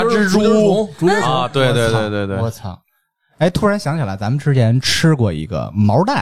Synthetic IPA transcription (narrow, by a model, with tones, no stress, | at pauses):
u˥ʈ͡ʂu˧˥˧t̪we˥˧we˥˧t̪we˧ɪt̪we˥˧ɪt̪we˥˧ɔ˥˩t͡sʰɑ̰˨˩˦ | e˧˥˩ɪt̪ʰu˥ɻa˧˥nɕjɑ˧˥ŋt͡ɕʰi˨˩la˧˥ɪt͡sa˧˥mə˨nʈ͡ʂɻ̩˥t͡ɕʰjɛ˧˥nʈ͡ʂʰɻ̩˥kwɔ˥˩ḭ˧˥ɡə̰˧mɑ˧˥ʊt̪a˥˩